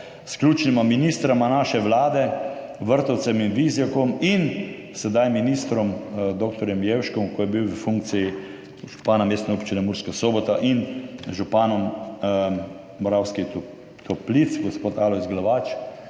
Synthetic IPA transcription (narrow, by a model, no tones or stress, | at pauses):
sklʲuːt͡ʃnimaminist̪ɾamanaːʃɛʋlaːd̪ɛʋəɾt̪ɔwt̪sɛminʋizjakɔmin | sɛd̪ajminist̪ɾɔmd̪oːk̚t̪ɔɾjɛmjewʃkɔmkɔjɛbiwʋəfuŋk̪̚siji | ʒu̥paːnameːst̪nɛupt͡ʃinɛmuɾskasoːbɔt̪aʔinʒupaːnɔm | ɔɾawski | t̪ʰɔplit̪sɡɔspoːt̪aːlɔizɡlaʋat͡ʃ